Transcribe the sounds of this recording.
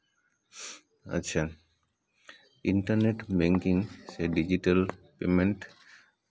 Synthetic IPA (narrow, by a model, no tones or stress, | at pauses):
ɐ̰tːɕʰa | iɳʈɐɾneʈbeŋkiŋseɖid͡ʑiʈəlpemeɳʈ